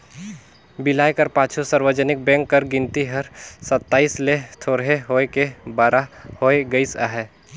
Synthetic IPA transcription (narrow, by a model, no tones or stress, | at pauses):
bɪlaːjkəɾpaːt͡ʃʰusəɾwəd͡ʒənɪk̚bɛ̃ːŋkːəɾɡɪ̃nt̪iɦəɾsət̪ːaːislet̪ʰoːɾɦeɦoːekebaːɾahoːeɡəisa̰ɦɛ